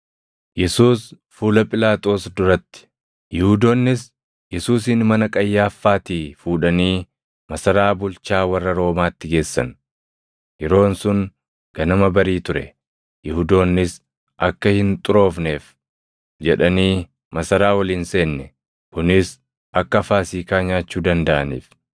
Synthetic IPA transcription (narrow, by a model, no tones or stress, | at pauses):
jɛsuːs | fuːlɐpʼɪlaːt̪ʼo̞ːsd̪ʊɾɐt̪ːɪ̥ | jɪhʊd̪oːnːɪs | jɛsuːsɪnmɐnɐkʼɐjːaːfːaːt̪iːfuːᶑɐniː | mɐsɐɾaːbʊlt͡ʃaːwɐrːɐɾo̞ːmaːt̪ːɪɡe̞ːsːɐ̰n | jɛɾo̞ːnsʊŋ | ɡ̥ɐnɐmɐbɐɾiːt̪ʊɾɛ̰ | jɪhʊd̪o̞ːnːɪs | ʔɐkːɐhɪnt̪ʼʊɾo̞ːfne̞ːf | d͡ʒɛᶑɐniː | mɐsɐɾaːwɐlinse̞ːnːɛ | kʊnɪs | ʔɐkːɐfaːsiːkaːɲaːt͡ʃːuːd̪ɐnd̪ɐʔɐ̰nḭːf